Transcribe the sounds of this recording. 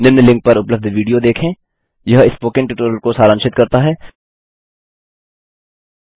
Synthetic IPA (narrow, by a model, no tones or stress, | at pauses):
nɪnːlɪ̃ŋk̚pɐɾʊpləb̚d̪ʋiːɖijod̪eːkʰẽː | jɐɦɪspoːkɪ̃ɳʈɪʈoːɾəlkosaːɾə̃ŋʃɪt̪̚kɐɾt̪aɦɛː